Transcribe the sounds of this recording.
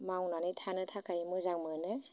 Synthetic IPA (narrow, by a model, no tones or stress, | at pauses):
mawnanɯtʰanɯtʰakʰajimɯzaŋmɯnɯ